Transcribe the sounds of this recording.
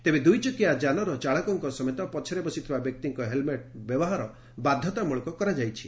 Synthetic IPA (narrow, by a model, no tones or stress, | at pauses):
t̪ebed̪ujt͡ʃɔkiad͡ʒanɔɾɔt͡ʃaɭɔkɔŋkɔsɔmet̪ɔpɔt͡ʃʰɔɾebɔsit̪ʰibabjɔk̚t̪iŋkɔɦelmeʈbjɔbɔɦaɾɔ | bad̪ʱjɔt̪amuɭɔkɔkɔɾad͡ʒajt͡ʃʰi̥